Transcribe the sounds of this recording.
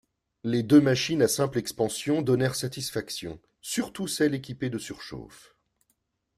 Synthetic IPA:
led̪ømaʃinasɛ̃plɛkspɑ̃sjɔ̃d̪ɔnɛʁsat̪isfaksjɔ̰̃ | syʁt̪usɛlekʲiped̪əsyʁʃo̰f

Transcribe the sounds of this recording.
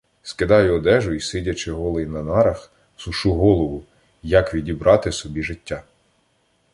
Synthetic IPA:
skɪd̪ɑjʊɔd̪ɛʒʊisɪdʲɐt͡ʃɪɦɔlˠɪjnɐnɑɾɐx | sʊʃuɦɔlˠɔʋʊ | jɐkʋʲidʲibɾɑt̪ɪsɔbʲiʒɪtʲːa

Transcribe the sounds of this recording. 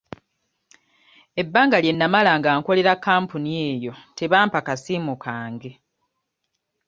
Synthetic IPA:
e̞bːaːŋɡalje̞nːamalaŋɡaːŋko̞le̞ɾakːaːmpunie̞ːjo̞te̞βaːmpakasiːmukʰaːŋɡe̞

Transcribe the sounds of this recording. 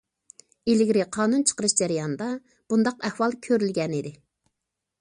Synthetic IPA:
elɪɡʲɾɪqʰɑːnunt͡ʃʰə̥qəɾɨʃd͡ʒæɾijɑnd̪ɑ | b̥und̪ɑqɛhwɑlˠkʲʰøɾylɡʲɛnɪd̪ɪ

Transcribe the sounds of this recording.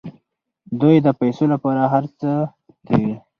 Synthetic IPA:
d̪ujd̪əpajsolapɑɾaɦaɾt͡sə | t̪ʰawi

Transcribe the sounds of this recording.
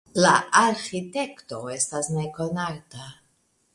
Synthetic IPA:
laaɾxite̞kto̞e̞stasne̞ko̞naɾta

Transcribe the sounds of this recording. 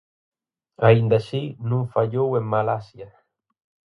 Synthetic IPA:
aind̪asinũŋfaʎoweŋmalasjɐ

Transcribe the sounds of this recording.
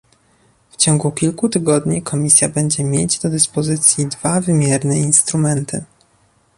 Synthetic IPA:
ft͡ɕɔŋɡukʲilkut̪ɘɡɔd̪ɲikʰɔmʲisʲjabɛɲd͡ʑɛmʲjed͡ʑd̪ɔd̪ɘspɔzɘt̪sʲjid̪vavɘmʲjɛɾnɛinst̪ɾumɛnt̪ʰɘ̰

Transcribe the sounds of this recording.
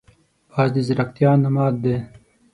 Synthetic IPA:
baːzd̪izɾɐkt̪jaːnɐmaːd̪̚d̪e

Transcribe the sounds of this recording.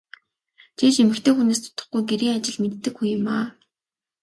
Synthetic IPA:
t͡ɕʰeːt͡ɕemɘ̆kt̪ʰeːxuneːs̬t̪ʰʊ̥t̪ə̥̆χɡujɡeɾiːŋat͡ɕɪ̆ɮmet̪ːɘ̆kxujʊmaː

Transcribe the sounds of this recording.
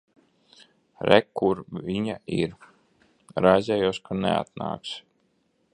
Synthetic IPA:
ɾɛkːuɾviɲaiɾ | ɾazʲɛjuɔskʰanɛ̰a̰t̪̚na̰ːks

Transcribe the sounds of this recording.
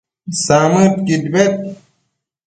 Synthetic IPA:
saːmɨt̪kid̪bet̪̚

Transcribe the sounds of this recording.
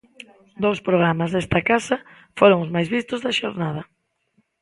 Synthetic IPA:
d̪owspɾoɣ̞ɾamazðest̪ɐkasɐ | foɾoŋʊzmajzβist̪ʊzðɐʃoɾnað̞ɐ

